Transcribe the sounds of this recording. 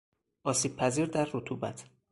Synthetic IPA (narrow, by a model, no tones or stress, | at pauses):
ʔɒːsiːb̥̚pʰæziːɾd̪æɾːot̪ʰuːbæ̰t̪ʰ